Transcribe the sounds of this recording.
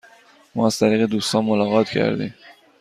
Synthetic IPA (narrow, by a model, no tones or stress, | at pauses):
mɒ̰ːæz̥t̪ʰæɾiːɣed̪uːst̪ɒːnmolɒːɣɒːt̪ʰcʰæ̰ɾd̪ḭːm